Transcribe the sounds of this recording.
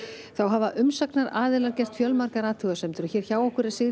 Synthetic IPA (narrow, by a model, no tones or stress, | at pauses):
θawɦavaʔʏmsaknaɾaːðɪlaɾcɛr̥t̪fjœlmaɾkaɾaːt̪ʰʏɣasɛmt̪ʏɾɔçɛɾ̥çaːwɔhkʏɾɛ̥sɪ